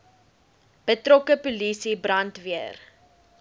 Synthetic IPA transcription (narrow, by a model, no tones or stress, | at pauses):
b̥ətrɔkəpulisibrɐntviər